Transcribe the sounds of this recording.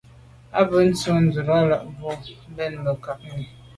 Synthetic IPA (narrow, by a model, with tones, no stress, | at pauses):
a˦bə˨˦n̩˦t͡su˦n̩˦d͡zu˨ɾɔ˦la˦˨ʔvɔ˦bɛ˦˨nmə˨ka˨p̚mi˨